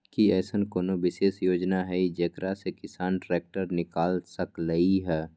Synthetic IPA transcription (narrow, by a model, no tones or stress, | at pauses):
kiɛːsənkoːnoʋɪʃeːʃjoːd͡ʒnaɦɛid͡ʒekɾasekɪsaːnʈɾeːk̚ʈəɾnɪkaːlsəkləiɦɛː